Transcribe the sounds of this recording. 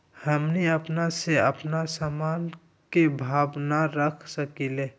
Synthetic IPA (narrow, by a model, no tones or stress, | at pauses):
həmniəpnaseəpnasamaːn | kebʱaːbnaɾəkʰsəkile